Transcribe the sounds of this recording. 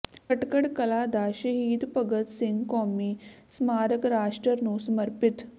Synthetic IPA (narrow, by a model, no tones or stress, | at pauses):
kəʈkəɽkəlad̪aɕəɦiːd̪pəɡət̪siŋɡkɔːmiː | smaːɾəkɾaːʂʈɾəɾnuːsməɾpit̪